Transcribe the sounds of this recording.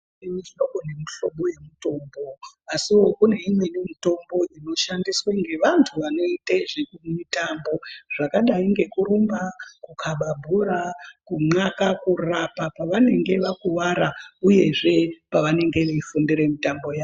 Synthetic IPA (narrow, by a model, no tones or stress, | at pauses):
eɲiʐinoɡʱonemuɬo̞ɓo̞je̞muto̞ːmbo̞asiwo̞kune̞imwenimito̞mbo̞ʔino̞ʃandisweŋɡe̞ʋantʰuʋano̞itaʐekumitambo̞ʐ̥akaɗaiŋɡe̞kuɾumbakukʰaɓabʱuɾakuŋ͡ǀakakurapapaʋane̞ŋɡe̞ʋakuwaɾauje̞ʐe̞paʋane̞ŋɡe̞ʋeifundiɾemitambo̞jaː